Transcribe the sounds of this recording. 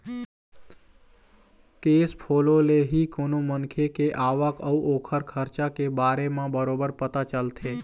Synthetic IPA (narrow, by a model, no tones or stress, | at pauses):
keːspʰoːloleɦikonomənkʰekeʔaːʋəkəuʔokʰəɾkʰəɾt͡ʃakebaːɾemãbəɾobəɾpət̪at͡ʃəlt̪ʰe